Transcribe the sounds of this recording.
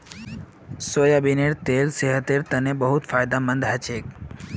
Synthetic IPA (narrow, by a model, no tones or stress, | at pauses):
soːjabineɾt̪eːlseɦət̪eːɾt̪ənẽbəɦʊt̪faːjd̪amə̃nd̪ɦət͡ʃʰeːk